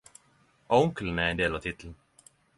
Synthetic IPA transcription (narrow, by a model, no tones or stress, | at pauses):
ɑʊŋklənæɾɛnd̪eːlɑːʋt̪ʰɪt̪ʰln̩